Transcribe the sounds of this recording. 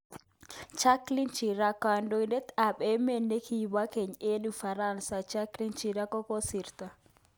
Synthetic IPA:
t͡ʃaklint͡ʃiɾakandɔjdɛt̪aɓɛmɛnːɛkʰibakeɲenifaɾansat͡ʃaklint͡ʃiɾakɔkɔsiɾt̪a

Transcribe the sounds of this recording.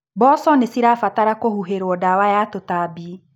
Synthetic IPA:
bɔːsɔnesiɾafataɾakohuɦeɾwɔdawajatotaːbi

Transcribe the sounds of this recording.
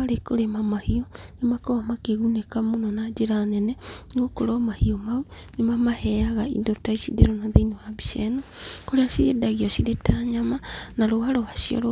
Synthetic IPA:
aɾekoɾemamahiɔnemakɔamakeɣunekamonɔnad͡ʒeɾanɛnɛɣokoɾɔmahiɔmau | nemamahɛaɣaḭndotaisideɾɔnaðeinewabisɛnɔkoɾeasiɾedaɣiɔsiɾetaɲamanaɾohaɾowaʃiɔ̰ɾo

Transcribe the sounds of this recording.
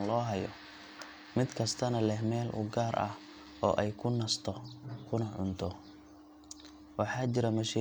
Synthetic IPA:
nlɔːɦɐjɔ | mɪd̪kʰɐst̪ʰɐnɐlɛhmɛːlʔʊ̰ɡaːɾʔɐ̰h | ɔ̰ːʔɛjkʰʊnɐst̪ʰɔkʰʊnɐʕʊnt̪ʰɔ | wɑħɑːt͡ʃɪɾɐmɐʃi

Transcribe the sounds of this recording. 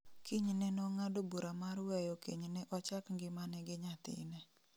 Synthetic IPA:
kʰɪɲnɛnɔŋadobuɾamaɾwɛjɔkiɲnɛʔɔt͡ʃakŋɡɪmanɛɡɪɲat̪ɪ̰nɛ

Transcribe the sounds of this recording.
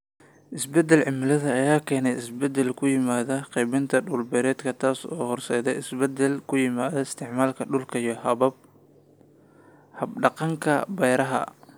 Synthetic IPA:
ʔɪsbɛd̪ɛlʕɪmɪlɐðɐːjaːkʰɛːnɛjɪsbɛd̪ɛlkʰʊjɪmaːðɐqɛjβɪnt̪ʰɐɗʊːlbɛɾɛːd̪kʰɐt̪ʰaːsɔ̰ːhɔrsɛːðɛjɪsbɛd̪ɛlkʰʊjɪmaːðɐɪst̪ʰɪʕmaːlkʰɐɖʊlkʰɐijɔhɐβɐb̚ | hɐbɖɑqɑŋkʰɐ̰bɛjɾɐɦɐ̰

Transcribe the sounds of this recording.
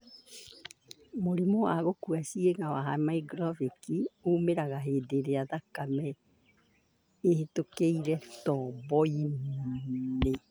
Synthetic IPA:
moɾimoaɣokuasieŋawaɦamaiɡɾɔvikiomeɾaɣaɦedeɾeaðakamɛ | ehetokeiɾɛtɔːbɔim | ne

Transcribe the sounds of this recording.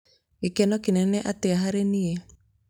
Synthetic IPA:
ekɛnɔkinɛnɛʔateaɦaɾenie

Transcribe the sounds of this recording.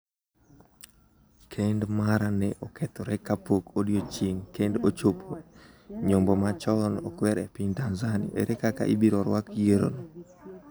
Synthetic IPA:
kʰendmaɾanɛʔokɛt̪ɔɾɛkapokodjot͡ʃiŋkendot͡ʃopʰo | ɲombɔmat͡ʃɔnɔ̰kwɛɾɛpintanzanḭʔḛɾɛkaka̰ʔibiɾɔɾwakjeɾo̰no

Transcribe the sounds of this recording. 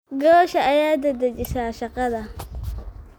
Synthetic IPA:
ɡawʃaʔajadadad͡ʒɪsaːʃaqada

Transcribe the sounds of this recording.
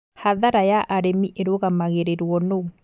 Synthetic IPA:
haðaɾajaʔaɾemiʔeɾoɣamaɣeɾeɾwɔno

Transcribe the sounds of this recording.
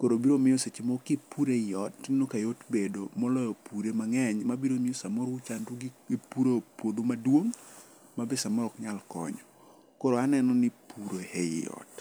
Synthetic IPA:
koɾobiɾomɪjɔset͡ʃimɔkɪpuɾejɔtnokajotbedomɔlɔjɔpuɾemaŋɛɲmabiɾomɪosamoɾʊt͡ʃanduɡɪepuɾopwod̪omadwoŋ | mabesamɔɾɔkɲalkɔ̰ɲɔ | koɾoanɛnɔnɪpuɾohḛjɔ̰t

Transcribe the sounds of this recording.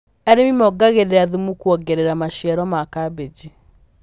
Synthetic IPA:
ɛɾemimɔɡaɣeɾeɾaðumukwɔɡɛɾeɾamaʃjɛɾɔmakabed͡ʒi

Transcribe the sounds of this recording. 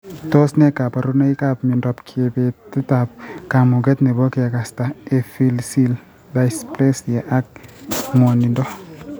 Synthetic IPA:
tosnɛkapaɾunaikapmindɔpkʰebetɪtap̚kamuɡɛtnɛbɔkɛkastaefilsil | bajsplesjaʔak̚mɔnindɔ

